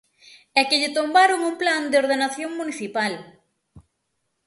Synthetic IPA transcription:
ɛkɪʎɪt̪ombaɾʊŋuŋpland̪eoɾðenaθjoŋmuniθipal

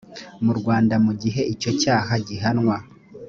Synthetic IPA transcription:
muɾɡwaːndamuɟiɦe̞ʔico̞caːɦaɟiɦanŋwa

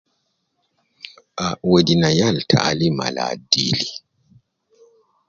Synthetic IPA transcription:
ʔawedinajaltʰa̰lima̰la̰ːdili

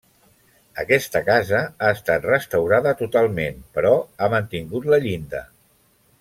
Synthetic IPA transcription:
əkɛst̪əkazəaəst̪at̪rəst̪əwɾaðət̪ut̪alˠmenpəɾɔamənt̪iŋɡut̪ləʎind̪ə̰

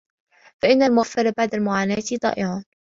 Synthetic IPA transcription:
faʔɪnːalmʊɣafːɪɾˤabaʕd̪almʊʕaːnaːt̪ɪt̪ˤɑ̰ːʔɪʕɑːn

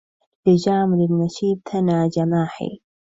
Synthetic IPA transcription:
lɪd͡ʒaːmɪlɪnnːaʃiːb̚t̪ʰanaːd͡ʒamaːħḭ

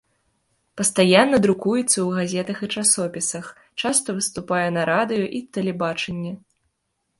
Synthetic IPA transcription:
pɐst̪ajanːɐd̪ɾukujɛt̪sːɐwɣazʲɛt̪ɐxɨt͡ʂasɔpʲisɐx | t͡ʂast̪ɐvɨst̪upajɛnɐɾad̪ɨjɔʔit̪ɛlʲɛbat͡ʂɐnʲːɛ

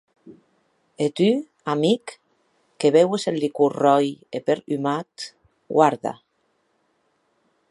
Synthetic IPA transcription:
et̪y | amikː | eβewesellikurɔjepeɾymat̪ | ɡwaɾða̰

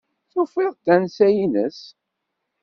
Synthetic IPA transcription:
θufiʁd̪ænsæjinəs

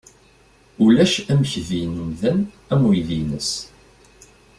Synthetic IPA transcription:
ulæʃæmçðinəmðæn | æmwiðinəs

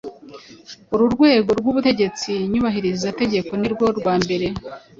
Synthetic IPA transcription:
uɾuɾɡwe̞ːɡo̞ɾɡwuβute̞ɟe̞t͡siɲuβaɦiɾizate̞ɟe̞ko̞niɾɡwo̞ɾɡwaːmbe̞ɾe̞

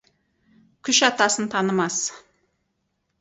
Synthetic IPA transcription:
kʲʰʏʃɑt̪ɑsənt̪ʰɑnəmɑs

